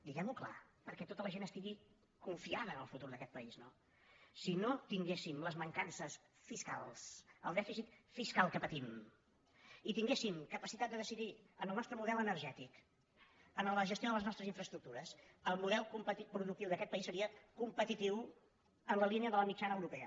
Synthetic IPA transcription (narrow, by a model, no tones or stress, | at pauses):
d̪iɣɛmukla̰pəɾkɛt̪ot̪ələʒenəst̪iɣi | kuɱfiaðəːnəlˠfut̪uɾðəkɛt̪̚pəizno | sinot̪iŋɡesimləzməŋkansəs | fiska̰lˠsəlˠd̪ɛfisit̪fiskalˠkəpət̪im | it̪iŋɡesimkəpəsit̪at̪d̪əðəsiðiənəlˠnɔst̪ɾəmuðɛlənəɾʒɛt̪ik | ənələʒəst̪joðələznɔst̪ɾəziɱfɾəst̪ɾuk̚t̪uɾəsəlˠmuðɛlˠkumpət̪ipɾuðuk̚t̪iwðəkɛt̪̚pəisːəɾiəkumpət̪it̪iw | ənləliniəðələmit͡ʃanəwɾupɛə̰